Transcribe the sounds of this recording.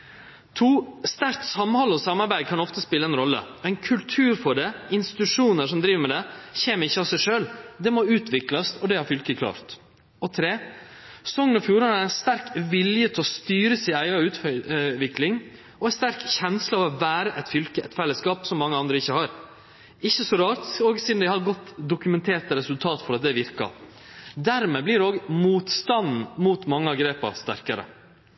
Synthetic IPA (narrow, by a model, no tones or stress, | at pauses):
t̪ʰuːst̪æɾkt̪sɑmhɑlːəɔsɑmːɑɾbæɪkʰɑnɔft̪əspɪlːəɛnɾɔlːə̰ɛɪnkʰʉlt̪ʰʉːɾfɔɖɛɪnst̪ɪ̥t̪ʉʂuːnəʂɔmd̪ɾiːʋəmɛd̪ɛçeːməɾɪçːəɑsæɪʂøːld̪ɛmɔʉːt̪ʰʋɪklɑsɔd̪ɛhɑɾfʏlkəkʰlɑ̰ːɾt̪ | ɔt̪ʰɾeː | ssɔŋːənɔfjuːɾɑnɑɾæɪnst̪æɾkʋɪljət̪ʰɪlɔst̪yːɾəsiːæɪɑʉːt̪ʋɪklɪŋ | ɔɛɪnst̪æɾkçɛnslɑɑʋɑʋæːɾəʔɛt̪fʏlkəʔɛt̪fɛlːəskɑːpsɔmːɑŋːəɑnd̪ɾəɪçːəhɑːɾ | ɪçːəsɔɾɑːɾt̪ɔːɡsiːd̪n̩d̪æɪhɑɾɡɔt̪ːd̪ʊkʉmɛnt̪ʰeːt̪ɾɛsʉlt̪ʰɑːt̪fɔɾɑt̪̚d̪ɛʋɪɾkɑ̰ | d̪æɾmɛblɪɾoːɡmuːt̪st̪ɑnn̩muːt̪mɑŋːəɑɡɾeːpɑ̰ɾst̪æ̰ɾkəɾə̰